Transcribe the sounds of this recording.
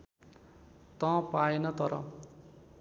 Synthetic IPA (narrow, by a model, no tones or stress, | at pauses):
t̪ʌ̃paenʌt̪ʌɾʌ̰